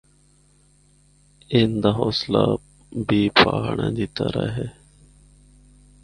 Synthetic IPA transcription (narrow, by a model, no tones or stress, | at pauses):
ind̪aɦoːsla̰ | biːpʰaːɦɳẽːd̪it̪əɾəɦe